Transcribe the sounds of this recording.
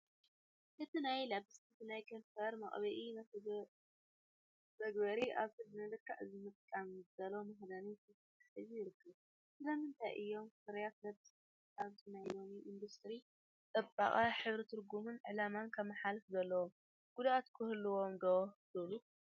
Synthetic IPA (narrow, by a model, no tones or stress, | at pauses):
ʔɨt̪ʰinajlabɨsɨt̪ʰɨnajkʰɐnfɐɾmɐ̰χʼβɐʔi | zɐɡbɐɾiʔaβsɨd̪nɨlɨkʰːaʔɨzɨmɨt̪ʼkʼamzzɐlomɐɦd̪ɐnitʰɨ | t̪ħɨzijɪɾɨkʰːɐβ | sɨlɐmɨnt̪ʰajʔɨ̰jːo̞mfɨɾjat̪̚lɐbt̪ʼ | aβt̪ʰɨnajlomiʔind̪ust̪ʼɾi | t̪ʼɐbʼa̰χʼaħɨβɾit̪ʰɨɾɡumɨnʕɨlamankʰɐmːɐħalɨfzɐlːɐwom | ɡ̥ud̪ʔat̪kʰɨhɨlːɨwo̞md̪odɨlu